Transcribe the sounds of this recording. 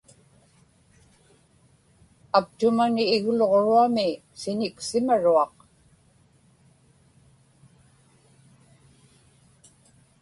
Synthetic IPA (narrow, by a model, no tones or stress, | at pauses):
ak̚t̪ʊmanɪːɣloʁoɻuamɪ | sɪɲɪksɪmaɻuɑq